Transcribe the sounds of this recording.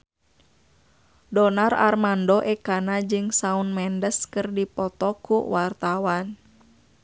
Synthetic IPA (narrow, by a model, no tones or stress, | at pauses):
dɔnara̰rmandɔʔɛkanad͡ʒɨŋsaunmɛndəskɨrdipɔt̪ɔkṵwart̪awan